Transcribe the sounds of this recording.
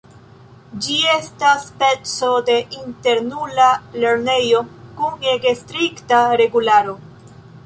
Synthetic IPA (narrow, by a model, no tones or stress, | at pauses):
d͡ʒie̞staspet͡so̞de̞ʔinte̞ɾnulale̞ɾne̞jo̞kuŋeɡestɾiktaɾe̞ɡulaɾo̞